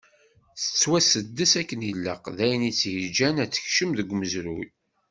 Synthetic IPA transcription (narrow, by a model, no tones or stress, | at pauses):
θə̥t͡sːwæsəd̪ːəsækːənəlːə̰qðæjənit͡sːhəd͡ʒænæt͡sːə̥çʃəmðəɡʷməzɾuj